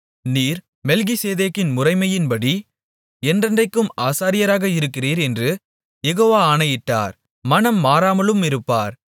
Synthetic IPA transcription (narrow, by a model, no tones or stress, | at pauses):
niːɾ | mɛlɣɪseːðeːkːɪnmʊrɐɪmɐjɪnpɐɽi | ɛndrɐndrɐɪkːɯmaːsaːɾɪjɐɾaːɣɐɪɾɯkːɪriːɾɛndrɯ | jɛɣoːʋaːɐnɐjɪʈːa̰ːɾ | mɐnɐmːaːɾaːmɐlɯmɪɾɯpːa̰ːɾ